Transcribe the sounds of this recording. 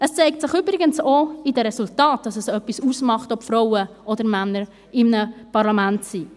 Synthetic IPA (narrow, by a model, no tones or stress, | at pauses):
əst͡sɛɪk̚tsɪχʏbɾɪɡənsoidəɾɛsultɑːt̚d̥ɑsɛsœpːisuːsmɑχtɔpfɾɔʊə | ɔdəɾmænːəɾ | ɪmnəpɑɾlɑmæntsiː